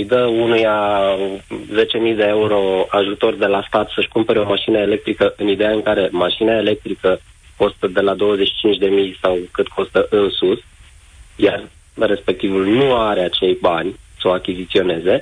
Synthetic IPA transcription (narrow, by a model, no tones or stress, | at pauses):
jd̪əunuja | ze̞t͡ʃe̞mijd̪e̞euɾo̞aʒut̪o̞rd̪e̞last̪at̪səʃkumpe̞ɾeo̞maʃinəele̞k̚t̪ɾikəʔɨnid̪e̞jaɨŋkaɾe̞maʃinaele̞k̚t̪ɾikə | ko̞st̪əd̪e̞lad̪o̞wəzet͡ʃʃi̥t͡ʃint͡ʃʲd̪e̞mijsawkɨt̪kʰo̞st̪əʔɨnsus | jar | re̞spe̞k̚t̪ivulnuaɾeat͡ʃe̞jbanʲsoakʲizit̪sio̞ne̞ze̞